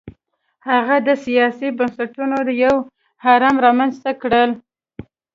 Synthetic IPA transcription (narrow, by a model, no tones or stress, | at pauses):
haɣad̪əsijɑsibansaʈunod̪əjaw | hɑɾɑmɾɑmanzt̪akɽəl